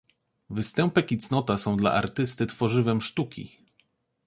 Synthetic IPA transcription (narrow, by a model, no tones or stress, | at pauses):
vɘst̪ɛmpɛkʲit̪snɔt̪asɔ̃w̃d̪la̰ʔaɾt̪ɘst̪ɘt̪fɔʐɘvɛmʂt̪ukʲḭ